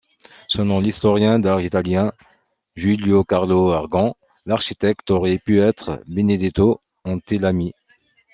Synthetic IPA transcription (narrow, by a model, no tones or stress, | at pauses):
sənɔ̃list̪ɔʁjɛ̃d̪aʁit̪aljɛ̃ | ʒyljokaʁloaʁɡɑ̃ | laʁʃit̪ɛkt̪ɔʁɛpyɛt̪χbened̪et̪o | ɑ̃t̪elami